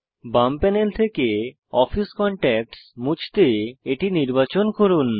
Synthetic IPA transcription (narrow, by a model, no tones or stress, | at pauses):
bampɛnelt̪ʰeke | ɔfʰiskɔɳʈɛk̚ʈsmut͡ɕʰt̪eeʈiniɾbat͡ɕonkoɾun